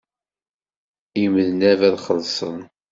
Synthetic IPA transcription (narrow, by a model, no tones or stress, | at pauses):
iməðənævæðχəɾsˤə̰n